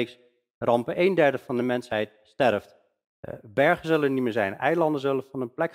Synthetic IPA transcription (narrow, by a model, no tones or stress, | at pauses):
ks | rʔɑmpəʔejndɛɹdəfɑndəmɛnsɦɛjt | stɛrft | bɛɹχənzɵlənitmɪːɹzɛjnɛjlɑndənzɵlənvɑnənplɛk